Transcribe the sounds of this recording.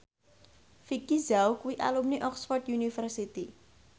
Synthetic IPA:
fikizawkuwiʔa̰lumniʔɔksfɔrt̪junifərsit̪i

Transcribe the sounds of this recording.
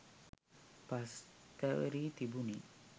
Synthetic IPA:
past̪əɾit̪ibuni

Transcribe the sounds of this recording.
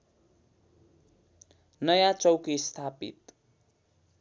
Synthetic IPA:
nʌjat͡sʌwkist̪ʰapḭt̪̚

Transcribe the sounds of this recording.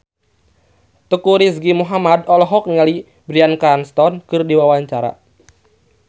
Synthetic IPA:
t̪əkuɾis̬ɡimuɦamad̪ɔlɔɦɔk̚ŋali | bɾiankanst̪ɔnkɨrdiwawaɲt͡ʃaɾa̰

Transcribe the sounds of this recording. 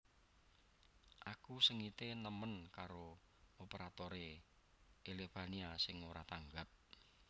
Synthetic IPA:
ʔakusəŋit̪enəmənkaɾo | opeɾat̪oɾe | ʔelefaniasɪŋoɾat̪aŋɡap̚

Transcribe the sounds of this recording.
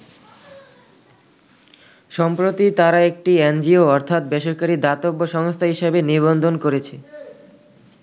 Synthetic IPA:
ʃɔmpɾot̪it̪aɾaek̚ʈiend͡ʑioɔɾt̪ʰat̪̚beʃoɾkaɾid̪at̪obːoʃɔŋst̪ʰaɦiʃebeniβond̪ʱonkoɾet͡ɕʰe

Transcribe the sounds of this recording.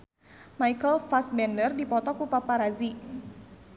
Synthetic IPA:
majkəlfasbɛndərdipɔt̪ɔkupapaɾazi

